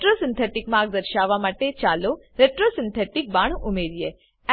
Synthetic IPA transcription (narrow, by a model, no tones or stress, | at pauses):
ʈɾosɪnt̪ʰeʈikmãɡ̚d̪əɾʃaʋamaʈet͡ʃalo | ɾeʈɾosɪnt̪ʰeʈik̚baɳ̃umeɾije